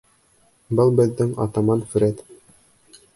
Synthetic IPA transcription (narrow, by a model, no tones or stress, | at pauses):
bɤlˠbɘ̆ðːɘŋɑ̰t̪ɑmɑnf̆ɾæt̪